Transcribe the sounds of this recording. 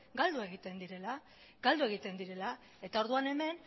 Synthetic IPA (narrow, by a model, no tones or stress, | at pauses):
ɡald̪ue̞ɣit̪e̞nd̪iɾe̞la | ɡald̪ue̞ɣ̞it̪e̞nd̪iɾe̞la | e̞t̪aoɾðuane̞me̞n